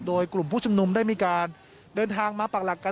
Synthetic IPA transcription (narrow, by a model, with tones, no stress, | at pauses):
doː˧jklu˨˩mpʰuː˥˩t͡ɕʰu˧mnu˧mdaː˥˩jmiː˧kaː˧n | dɤː˧nt̪ʰaː˧ŋmaː˧pa˨˩la˨˩kːa˧